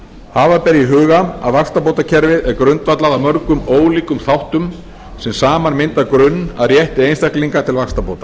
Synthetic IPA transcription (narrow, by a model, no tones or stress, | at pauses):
haːvapɛɾjiɦʏːɣaa̰ðvakst̪apowt̪acʰɛɾvɪðɛɾkɾʏnt̪vat̪laðamœɾkʏmoːwliːkʏmθawht̪ʏm | sɛmsaːmanmɪnt̪akɾʏnːaðrjɛht̪ɪejnst̪akliŋkat̪ʰɪlvakst̪apowt̪ḁ